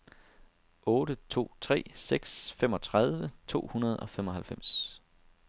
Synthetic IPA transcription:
ɔ̽ːɾət͡sʰo̝̰ːt͡sʰʁɛ̰ːseɡ̥sfemɒ̽t͡sʰʁað̞ˠʋət͡sʰo̝̰ːhunɐð̞ˠɒ̽femɒ̽ɦhælfem̰s

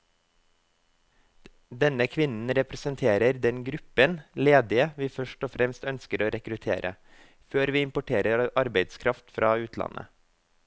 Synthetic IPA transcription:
d̪ɛnəkʰʋɪnn̩ɾɛpɾɛsənt̪ʰeːɾəɾd̪ɛnɡɾʉpənleːd̪ɪəʋiːfœʃʈɔfɾɛmst̪œnskəɾoːɾʔɛkɾʉt̪ʰḛːɾʔə̰ | føːɾʋiːɪmpʊʈʰeːɾəɾɑɾbeɪd̪skʰɾɑft̪fɾʔɑːʉːt̪ʰlɑ̰nʔə̰

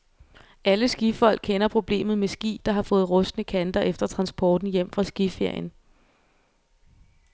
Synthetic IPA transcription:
æləsɡ̥ifɒ̽l̰ɡ̥̚kʰenɐpʰʁo̝b̥le̝̰ːmð̞̩ˠmesɡ̥ḭːd̥ɑ̈ɦɑ̈fɔ̽ːð̞̩ˠʁɔ̽sd̥nəkʰænd̥ɐʔefd̥ɐt͡sʰʁɑ̈nsb̥ɒːd̥n̩jem̰fʁɑ̈sɡ̥ife̝ɐ̰jən

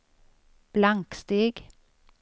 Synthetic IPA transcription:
b̥lɑŋkst̪iːɡ

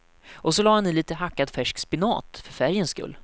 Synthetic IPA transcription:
ʔɔsɔlɑːhanːɪliːt̪əɦakːad̪fæʂkspɪnɑ̰ːt̪fœɾfæɾjənskɵ̰lː

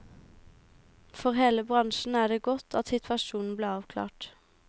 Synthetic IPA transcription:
fɔʁheːləbʁɑŋʃn̩æːɖeːɡɔt̪ʰɑt̪sɪt̪ʰʋɑʃuːnn̩bleːɑːʋkʰlɑ̰ːʈ

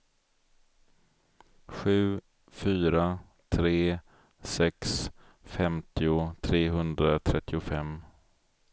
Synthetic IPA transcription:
ɧʉ̟ː | fyːɾa | t̪ʰɾeː | sɛks | fɛmt̪ɪʊt̪ʰɾeːɦɵnd̪ɾat̪ʰɾɛt̪ʰːɪʊfɛm

